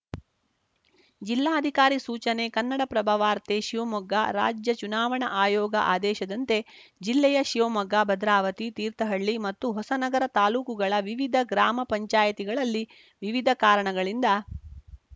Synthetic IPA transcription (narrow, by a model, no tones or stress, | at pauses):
d͡ʒilːaːɐd̪ʱikaːɾisuːt͡ʃɐnekɐnːɐɽɐpɾɐbʱɐʋaːɾt̪eʃiʋomɐɡaɾa̰ːd͡ʒjɐt͡ʃunaːʋɐɳɐʔaːjɔːɡɐ̰ʔaːd̪ɛːʃɐd̪ɐnt̪e̞d͡ʒilːɛjɐʃiʋomɐɡabɐd̪ɾaːʋɐt̪it̪iːɾt̪ɐɦɐɭːimɐt̪ːuɦɔsɐnɐɡɐɾɐt̪aːluːkuɡɐɭɐʋiʋid̪ʱɐɡɾaːmɐpɐɲt͡ʃaːjɐt̪iɡɐɭɐlːi | ʋiʋid̪ʱɐkaːɾɐɳɐɡɐɭind̪ɐ